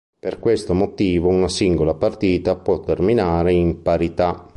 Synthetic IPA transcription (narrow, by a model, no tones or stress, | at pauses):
perkwest̪omot̪iːvounasiŋɡolapart̪iːt̪apwɔt̪ːerminaːɾeimpaɾit̪a